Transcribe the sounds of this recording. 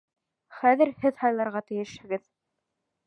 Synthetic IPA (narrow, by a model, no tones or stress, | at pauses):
χæðɘ̆ɾhɘðhɑjlˠɑɾʁɑt̪ɘ̆jɘ̆ʃhɘ̆ɡɘð